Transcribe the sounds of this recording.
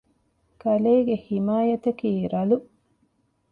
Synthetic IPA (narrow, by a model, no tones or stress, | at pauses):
kɐleːɡehimaːjɐt̪ɐkiːɾɐlu